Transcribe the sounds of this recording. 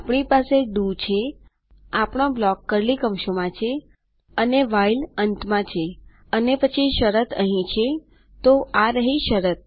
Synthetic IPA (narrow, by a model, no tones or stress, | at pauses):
apɳ̃ipaseɖut͡ʃʰe | apɳ̃õblɔkːəɾlikəmʃomãt͡ʃʰe | əneʋailənt̪mãt͡ʃʰe | ənepət͡ʃʰiʃəɾət̪ʰəɦĩt͡ʃʰe | t̪oʔaɾəɦĩʃəɾət̪̚